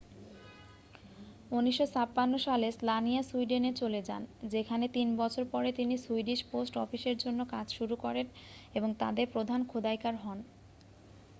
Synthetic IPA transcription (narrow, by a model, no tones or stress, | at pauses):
uniʃːot͡ɕapːanːoʃaleslanijasuiɖenet͡ɕoled͡ʑa̰nd͡ʑekʰanet̪inbɔt͡ɕʰoɾpɔɾet̪inisuiɖiʃposʈɔfiʃeɾd͡ʑonːokad͡ʑʃuɾukɔɾeneboŋt̪a̰d̪eɾpɾod̪ʱankʰod̪ajkaɾɦɔn